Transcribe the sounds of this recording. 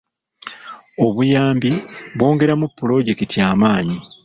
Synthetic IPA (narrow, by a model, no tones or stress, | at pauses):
o̞βujaːmbiβwo̞ːŋɡe̞ɾamupːulo̞ɟe̞kitijaːmaːɲi